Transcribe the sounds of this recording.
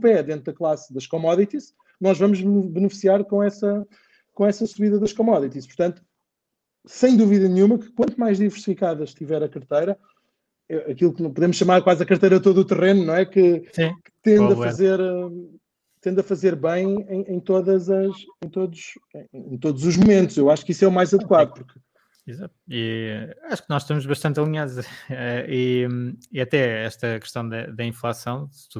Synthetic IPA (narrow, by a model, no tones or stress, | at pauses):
pɛd̪ẽnt̪̚ðɐklˠasðɐʃkɔmɔðit̪iʃ | nɔʒvɐmuʒbɨnɨfi̥siaɾkõɛsɐ | kõɛsɐsuβiðɐðɐʃkɔmɔðit̪iʃpuɾt̪ɐ̃nt̪u̥ | sɐ̃j̃d̪uviðɐnɲumɐkɨ̥kwɐ̃nt̪umajʒðivɨɾsi̥fikaðɐʃt̪ivɛɾɐkɐɾt̪ɐjɾɐ | eʔɐkilˠknɐ̃puðemʊʃɐmaɾkwazɐkɐɾt̪ɐjɾɐt̪oðuːt̪ɨʁenunɐ̃w̃ɛkɨsĩkɨ̥t̪ẽnd̪ɐfɐzeɾ | t̪ẽnd̪ɐfɐzeɾβɐ̃j̃ẽj̃ẽj̃t̪oðɐzɐʃẽj̃t̪oðuʃẽj̃ẽẽj̃t̪oðuzuʒmumẽnt̪uʃewaʃu̥kisɛumajzɐðkwaðupuɾk | izat̪̚iaʃu̥k̚nɔʃt̪ɐmuʒβɐʃt̪ɐ̃nt̪ɐlˠiɲaðuʒɛɛiiɐt̪ɛɛʃt̪ɐkɨ̥ʃt̪ɐ̃w̃d̪ɐd̪ɐĩflˠasɐ̃w̃sɨ̥t̪u